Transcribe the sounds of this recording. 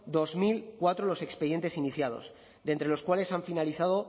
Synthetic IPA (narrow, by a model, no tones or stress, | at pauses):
d̪o̞zmilkwat̪ɾolo̞se̞kspeje̞nt̪e̞siniθjað̞o̰s | d̪ent̪ɾe̞lo̞skwale̞saɱfinaliθað̞o̞